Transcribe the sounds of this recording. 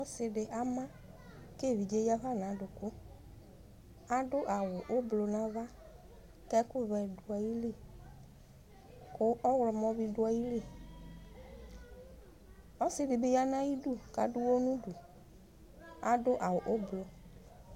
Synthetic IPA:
ɔ˦sɪ˨dɪ˨ʔa˦mã˦ | ke˦˨vi˨d͡ʒe˦ja˦va˦nã˨˦dʊ˨kʊ˦ | a˦dʊ˦ʔa˨wʊ˨ʔʊ˦blʊ˨nã˨˦va˦ | kɛ˦kʊ˦vɛ˨dʊ˨a˨ji˦li˦˨ | kʊ˦ʔɔ˦wlɔ˨mɔ˦bi˦dʊ˦a˨ji˦li˦˨ | ɔ˦sɪ˦dɪ˨bɪ˨˦ja˦nã˦ji˦du˦ka˨dʊ˦wo˦nũ˦du˨ | a˨dʊ˦ʔa˨wʊ˨ʔʊ˦blʊ˨

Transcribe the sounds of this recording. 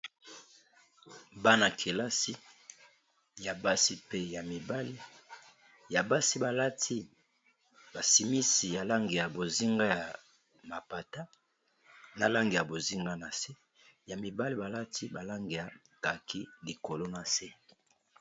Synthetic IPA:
ba˦na˨kʰe˨la˦si˦ | ja˨ba˦si˦pe˦ja˨mi˨ba˦li˦ | ja˨ba˦si˦ba˨la˦tʰi˦ | ba˨si˨mi˦si˨ja˨la˦ŋɡe˨ja˨bo˨zi˦ŋɡa˦ja˨ | ma˨pa˨ta˦ | na˨la˦ŋɡe˨ja˨bo˨zi˦ŋɡa˦na˨se˦ | ja˨mi˨ba˦li˦ba˨la˦tʰi˦ba˨la˦ŋɡe˨ja˨ | ka˨kʰi˦li˨ko˨lo˦na˨se˦

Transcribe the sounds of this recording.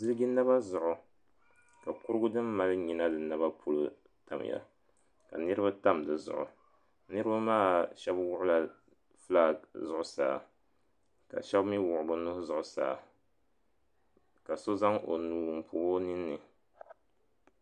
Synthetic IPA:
zɨ˦lɡi˦na˦βa˦zʊ˨ʔʊ˨ | ka˨kʊ˦ɾɨ˦ɡʊ˦dɨ˦mːa˦lɨ˦ɲi˨na˦dɨ˨na˦ba˦pʰu˦lu˦ | ta˨m̰˨ja̰˨ | ka̰˨nɨ˦ɾɨ˦ba˦ta˦mdɨ˨zʊ̰˨ʔʊ̰˨ | nɨ˦ɾɨ˦ba˦maː˦˨ʃɛ˦bwʊ˦ʔʊ˦la˨ | fla˦˨zʊ˨ʔʊ˨˦saː˨ | ka̰˨ʃɛ˦bmi˦wʊ˨ʔʊ˨bʊ˨nu˦hzʊ˨ʔʊ˨sa̰ː˨ | ka˨so˦za˦ŋo̰˨nuː˨m̩˨pʰuː˨ho˦nɨ˦nːɨ˨

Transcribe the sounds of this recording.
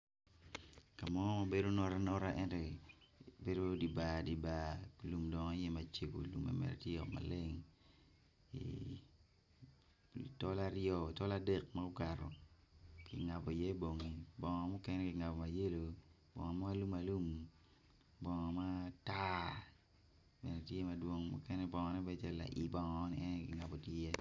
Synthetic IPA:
ka˨mɔ˦ɔ˦ma˦be˦do˦nɔ˦ɾa˦nɔ˦ɾa˦ʔɛ˦˨ntɔ˨ | be˦do˦di˨ba˨di˨ba˨lu˨mdɔ˨ŋ˦jɛ˦ma˨t͡ʃe˨ko̰˨lṵ˨mɛ̰˨mɛ̰˨ɾti˦jɔ˨kma̰˨le˦ŋ | ḭ | tɔ˦la˦ɾjɔ˦˨tɔ˦la˦dɛ˦˨k̚ma˦ɡʊ˦ka˨ɾɔ˨ | ki˨ŋa˨po˨i˨je˦bo˨ŋi˨bɔ˨ŋɔ˨mu˦kɛ˦nɛ˦kɪ˨ŋa˨pɔ˨ma˨je˦lo˨ | b̥ɔ̰˨ŋɔ˨ma˦lu˦ma˨lu˦m | bɔ˨ŋɔ˨ma˦ta˦ | bɛ˨nɛ˨tje˦ma˨dwo˦ŋmṵ˦kɛ˦nɛ˦bɔ˨ŋɔ˨nɛ˦bɛ˦t͡ʃɛ˦la̰˨ʔḭ˨bɔ˨ŋɔː˨˦ni˨ɛ˦nɛ˦kɪ˨ŋa˨po˨tjje˦

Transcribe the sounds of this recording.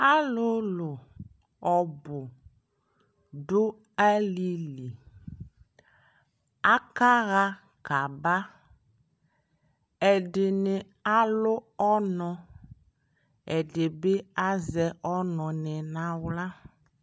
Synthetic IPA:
a˦lʊ˦lʊ˨ | ɔ˨bʊ˨ | dʊ˦ | a˦li˦li˨ | a˦ka˦ɣa˦ | ka˨ba˦ | ɛ˨dɪ˨nɪ˨ | a˦lʊ˦ɔ˦nɔ̃˨ | ɛ˨dɪ˨bɪ˦a˦zɛ˨ʔɔ˦nɔ̃˨nɛ˨nã˨wla˦

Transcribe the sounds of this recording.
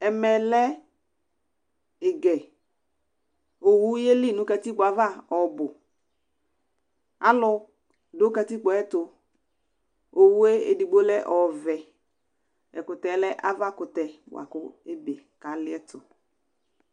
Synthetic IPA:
ɛ˨mɛ˨lɛ˦ | ɪ˨ɡɛ˨ | o˨wu˦je˦li˦˨nʊ˨˦ka˧ti˦k͡pɔ˨a˨va˦˨ɔ˨bʊ˨ | a˦lʊ˧ | do˨˦ka˧ti˦k͡pɔ˨ɛ˦tʊ˨ | o˨wu˦e˦ḛ˨di˨ɡ͡bo˦lɛ˦ʔɔ˨vɛ˨ | ɛ̰˨kʊ˨tɛ˨˦lɛ˦ʔa˦va˦˨kʊ˨tɛ˨wa̰˨kʊ˦e˦be˨ | ka˨lɪ˦ɛ˦tʊ˨

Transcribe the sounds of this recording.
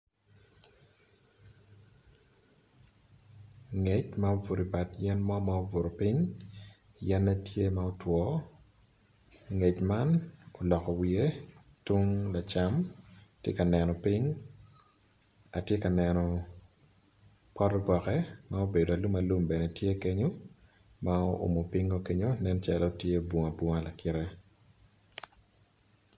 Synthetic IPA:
ŋe˨t͡ʃmao˦vʊ˨ɾi˨ba˨tjɛ˦nmɔ˦ma˦o˦vʊ˨ɾo˨pi˦ŋ | jɛ˦nːa˦tje˦ma˦o˦twɔ˦ | ŋe˨t͡ʃma˦no˨lɔ˨kɔ˨wie˦tu˦ŋla˨t͡ʃa˦mtje˦ka˨nɛ˨nɔ˨pi˦ŋ | a˨tje˦ka˨nɛ˨nɔ˨ | pɔ˦ɾbɔ˨kɛ˦mao˦be˨do˨a˨lu˦ma˨lu˦mbɛ˨nɛ˨tje˦ke˦ɲo˦ | ma˦o˦ʔo̰˨mo˨pi˦ŋo˦ke˦ɲo˦nɛ˦nt͡ʃa˨lɔ˦tje˦bwo˨ŋa˨bwɔ˦ŋa˦la˨kɪ˦ɾɛ˦

